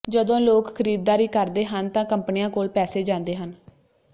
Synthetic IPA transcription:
d͡ʒəd̪õːloːkkʰəɾiːd̪̚ːaːɾiːkəɾd̪eːɦənt̪ãːkəmpənɪjãːkoːlpɛːseːd͡ʒãːnd̪eːɦən

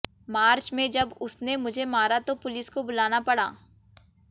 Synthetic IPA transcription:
maːɾt͡ʃmẽd͡ʒɐbʊsnemʊd͡ʒʱemaːɾat̪opʊlɪskobʊlaːnapɐɽa̰ː

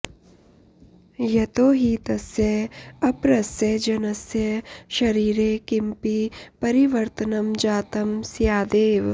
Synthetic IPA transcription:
jɐt̪oːɦit̪ɐsjeɐpɾɐsjɐd͡ʒɐnɐsjɐʃɐɾiːɾekɪmpipɐɾiʋɐɾt̪ənɐmd͡ʒaːt̪ɐmsjaːd̪eːʋ

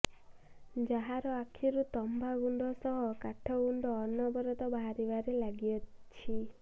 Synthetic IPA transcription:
d͡ʒaɦaɾɔakʰiɾut̪ɔmbʱaɡuɳɖɔsɔɦɔkaʈʰɔɡuɳɖɔːnɔbɔɾɔt̪ɔbaɦaɾibaɾelaɡijɔt͡ʃʰi

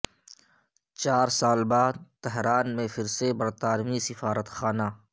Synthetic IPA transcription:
t͡ʃaːɾsaːlbaːd̪̚t̪ɛɦɾaːnmẽfʰɪɾsebɐɾt̪aːɾmisɪfaːɾət̪xaːnaː

